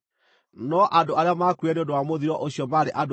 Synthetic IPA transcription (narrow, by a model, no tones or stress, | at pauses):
nɔʔadoaɾeamakuɛneondowamoðiɾɔʔoɕiɔmaɾeʔad